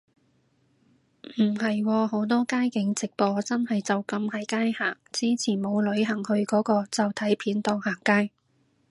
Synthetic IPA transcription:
m̩˨˩ɦɐ˨jwɔː˧ɦo˨˥wt̪ɔː˥kaː˥jkɪ˨˥ŋt͡sɪ˨k̚pɔː˧t͡sɐ˥nhɐ˨jt͡sɐ˨wkɐ˧mhɐ˨˥jkaː˥jhaː˨˩ŋt͡siː˥t͡sʰiː˨˩nmo˨˧wlɵ˨˧ɥɦɐ˨˩ŋhɵ˧ɥkɔː˨˥kɔː˧t͡sɐ˨wt̪ʰɐ˨˥jpʰiː˨˥nt̪ɔː˧ŋhaː˨˩ŋkaː˥j

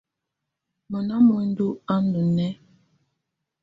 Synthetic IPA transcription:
mə˨na˦mə˨n̩˦du˦a˦n˦ə˨nɛ˦

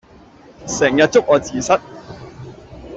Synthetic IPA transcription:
sɛː˨˩ŋjɐ˨t̚t͡sʊ˥k̚ɔː˨˧t͡siː˨sɐ˥t̚

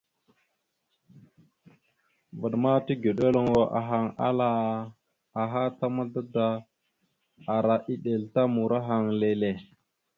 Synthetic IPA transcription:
və˨ɗma˦ti˦ɡe˨ɗo˦lo˨ŋwo˨ʔa̰˨ɦa˦ŋa̰˦la˦ | a˨ɦa˦ta˦ma˦da˦da˦ | a˨ɾa˨ʔi˦ɗe˨lta˦mu˨ɾa˦ɦa˨ŋle˨le˨

